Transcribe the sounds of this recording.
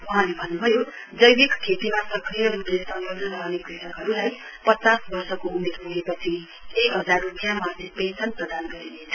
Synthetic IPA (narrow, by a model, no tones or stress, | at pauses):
uɦãlebʱʌnːubʱʌjo | d͡zʌjbikkʰet̪imasʌkrijʌɾuʈlesʌŋʌbnʌɾʌwnekritʌkɦʌɾulaj | pʌt͡sasbʌrsʌkoumed̪ɦuɦepʌt͡sʰi | ekɦʌd͡zarupjamatipensʌnprʌd̪anɡʌɾinet͡sʰʌ